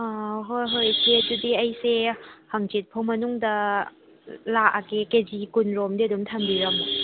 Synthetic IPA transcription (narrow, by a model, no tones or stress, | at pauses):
ɦojɦojsʰeɐdudiɐjsehaŋt͡ʃit̚pʰawmɐnuŋdɐ | laakeked͡ʒikunɾomdiɐdumtʰambiɾɐm